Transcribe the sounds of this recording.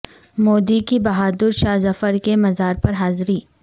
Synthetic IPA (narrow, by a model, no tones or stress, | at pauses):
moːd̪ikibɐɦaːd̪ʊɾʃaːzɐfəɾkemɐzaːɾpɐɾɦaːzɾiː